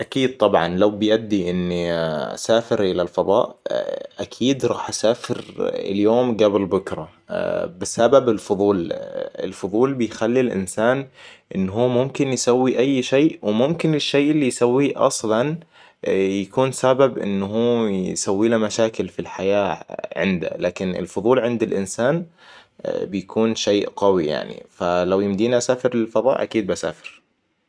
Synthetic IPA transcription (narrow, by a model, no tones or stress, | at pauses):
ʔakiːd̪̚t̪ˤɑbʕɑ̰nlawbɪjʔad̪ːiʔɪn̰ːsaːfɪɾʔɪlalfɑðˤɑ̰ːʔʔakʰiːd̪ɾˤɑːħʔasaːfɪɾɪ̰ljoːmɡablbʊkɾˤɑ | bɪsababɪlfʊðˤuːlɪ̰lfʊðˤuːlbɪjxalːilʔɪ̰nsaːnʔɪnːɦuːmʊmkɪnjsawːiʔajːʃeːʔwmʊmkɪnɪʃːeːʔɪlːijsawːiʔɑ̰sˤlɑn | jakuːnsababʔɪ̰nːhuːsawːiːlamaʃaːkɪlfilħajaːʕɪ̰nd̪a̰laːkɪnɪ̰lfʊðˤuːlʕɪnd̪ɪlʔɪnsaːn | bɪjakuːnʃeːʔɡawija̰ʕnḭfalawjɪmd̪iːnasaːfɪɾɪlfɑðˤɑ̰ːʔa̰kiːd̪̚basa̰ːfɪɾ